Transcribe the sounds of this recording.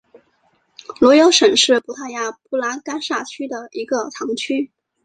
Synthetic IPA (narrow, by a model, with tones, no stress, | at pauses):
lwɔ˧˥jo˧˥ʊʂə˨˩nʂɻ̩˥˩pu˥t̪ʰa˥˩ja˥˩pu˥˩la˧˥ka˥nʂa˥˩t͡ɕʰy˥d̪ə˨i˧˥ɡə˧t̪ʰɑ˧˥ŋt͡ɕʰy˥